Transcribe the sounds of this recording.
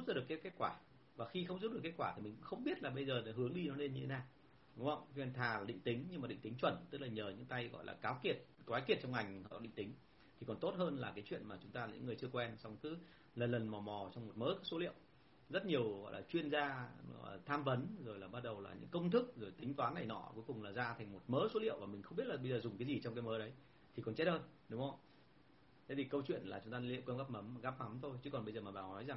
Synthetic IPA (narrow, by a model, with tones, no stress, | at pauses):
zu˦˥p̚za˧˦ɗɨ˨˩əkeː˨˦˥kːe˦˥t̚kwaː˧˩ | vaː˨˩xi˧xə˧wŋ͡mzu˦˥p̚ɗɨ˨˩kːe˦˥t̚kwaː˧˩t̪i˨˩i˨˩ŋ̟kʊ̰˧˥ŋ͡mxə˧wŋ͡mɓi˦˥ət̚laː˨˩ɓə˧jzəː˨˩n˨˦ɦɨ˨˦əŋɗi˧nɔ˨˦le˧nɲɨ˧tʰe˨˦naː˨˩ | ʊ̰˨˦ŋ͡mhə̰˧˨wnt̪ʰaː˨˩laː˨˩ɗḭ˧˨ŋ̟t̪ï˨˦ŋ̟ɲɨ˧maː˨˩ɗḭ˧˨ŋ̟t̪i˨˦ŋt͡ɕwə˧˩nt̪ɨ˦˥k̚laː˨˩ɲəː˨˩ɲɨ̰˧˥ŋt̪a˧jɣɔ̰˧˨jla̰ː˨˩kaː˨˦wki˨˩ət̚kwaː˨˦jki˨˩ət̚t͡ɕɔ˧wŋ͡mŋa˨˩jŋ̟hɔ̰˧˨ɔ˨˦ɗḭ˧˨ŋ̟t̪i˨˦ŋ̟ | t̪ʰi˨˩kɔ˨˩nt̪o˦˥t̚ɦəː˧nlaː˨˩kaː˨˦jt͡ɕwḭ˧˨ənmaː˨˩t͡ɕʊ˨˦ŋ͡mt̪aː˧laː˨˩ɨ̰˧˥ŋɨ˨˩ət͡ɕɨ˧əkwɛ˧nsa˧wŋ͡mkɨ˨˦ | lə˨˩nlə˨˩nmɔ˨˩mɔ˨˩t͡ɕɔ˧wŋ͡mmo˨˩t̚mə̰ː˨˥jkaː˦˥k̚so˨˦lḭ˧˨əw | zə˦˥t̚ɲi˨˩əwɣɔ̰˧˨jlaː˨˩t͡ɕwi˧ənzaː˧ɔ˨˩t̪ʰaː˧mvə˨˦nzo˨˩jlaː˨˩ɓa˦˧t̚ɗə˨˩wla̰ː˨˩ɲɨ̰˧˥ŋkə˧wŋ͡mt̪ʰɨ˦˥k̚zo˨˩jt̪ï˨˦ŋ̟t̪waː˨˦nːa˨˩jnɔ̰˧˩˥ku˨˦jkʊ˨˩ŋ͡mlaː˨˩zaː˧t̪ʰŋ̟mo˨˩t̚məː˨˦so˨˦lḭ˧˨əwvaː˨˩mï˨˩ŋ̟xwŋ͡mɓi˦˥t̚laː˨˩ɓə˧jzəː˨˩zʊ˨˩ŋ͡mkaː˨˦jzi˨˩t͡ɕɔ˧ŋ͡mkaː˨˦jməː˨˦ɗə˨˦j | t̪ʰi˨˩kɔ˨˩nt͡ɕɛ˦˥t̚həː˧jɗʊ˨˦ŋ͡mhə˧wŋ͡m | t̪ʰe˨˦vʰi˨˩kə˧wt͡ɕwḭ˧˨ənlaː˨˩t͡ɕʊ˨˦ŋ͡mt̪aː˧lḭ˧˨wkəː˧ŋ͡mɣaː˦˥p̚mə˨˦mɣaː˦˥p̚mə˨˦mt̪ʰo˧jt͡ɕɨ˨˦kɔ˨˩nɓə˧zəː˨˩maː˨˩ɓaː˨˩nɔ˨˦jza˨˩ŋ